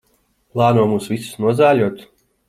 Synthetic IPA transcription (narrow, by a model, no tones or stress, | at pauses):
plˠɑːnuɔmuːsvisu̥snuɔzæːlʲuɔt̪